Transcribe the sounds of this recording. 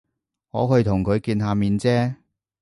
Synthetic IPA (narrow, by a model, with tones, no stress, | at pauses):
ŋɔ̰ː˨˧hɵ˧ɥt̪ʰʊ˨˩ŋkʰɵ˨˧ɥkiː˧nɦaː˧miː˨˧nt͡sɛː˥